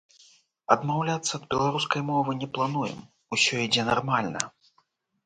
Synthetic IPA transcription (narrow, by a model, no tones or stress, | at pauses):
ɐd̪mawlʲat̪sːɐːd̪̚bʲɛlˠaɾuskɐjmɔvɨnʲɛplˠanujɛ̰m | usʲɔid͡zʲɛnarmalʲnɐ̰